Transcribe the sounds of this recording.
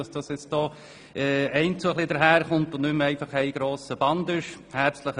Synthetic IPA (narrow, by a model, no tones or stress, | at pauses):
ɑsd̥ɑsjɪt͡st̚d̥ɔː | ɛːɛɪnt͡suəχlidəɾɦæːɾχʊntʊnnʏmɛɪfɑχɛɪɡ̥ɾoːsəb̥ɑnd̪ɪʃ | hæɾt͡sləχ